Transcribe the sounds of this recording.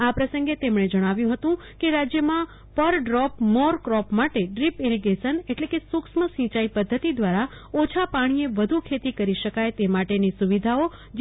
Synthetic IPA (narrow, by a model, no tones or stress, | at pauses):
apɾəsə̃ŋɡet̪emɳ̃ed͡ʒəɽ̃aʋjũɦət̪ũ | keɾad͡ʒjəmã | pəɾɖɾɔpmɔɾkɾɔpmaʈeɖɾipiɾiɡesəneʈlekesʊkʃməsĩt͡ʃaipəd̪ʱːət̪id̪ʋaɾa | ot͡ʃʰapaɽ̃ieʋəd̪ʱukʰet̪ikəɾiʃəkajt̪emaʈenisuʋid̪ʱao | d͡ʒ